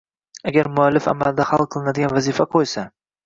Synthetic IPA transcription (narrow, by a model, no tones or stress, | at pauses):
aɡʲaɾmʊalːɪfa̰mald̪ahalˠqʰɨlˠɪnad̪ɪɡʲanvazifaqʰojsa